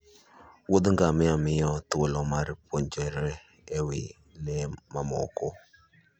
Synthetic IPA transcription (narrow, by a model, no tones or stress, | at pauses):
wod̪ŋɡamɪamɪɔt̪olɔmaɾpoɲd͡ʒeɾeː | wɪ̰ | nɛmamɔ̰ko